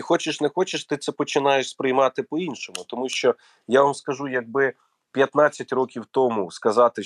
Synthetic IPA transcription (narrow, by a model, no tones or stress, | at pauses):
xɔt͡ʃɪʃnɛxɔt͡ʃɪʃt̪ɪt̪sɛpɔt͡ʃɪnɑjeʃspɾɪjmɑt̪ɪpɔinʃɔmʊt̪ɔmuʃt͡ʃɔ | jaʋɐmskɐʒujɐɡ̚bɪ | pʲjɐt̪nɑt͡sʲːɐtʲrɔkʲiwt̪ɔmuskɐzɑt̪ɪ